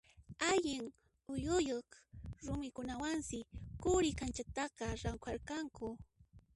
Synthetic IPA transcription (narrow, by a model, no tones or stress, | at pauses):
aʎɪŋ | ʊjʊjoχɾʊmɪkʊnawansɪkʊɾɪkant͡ʃat̪ɑqɑɾaŋkʷaɾkaŋkʊ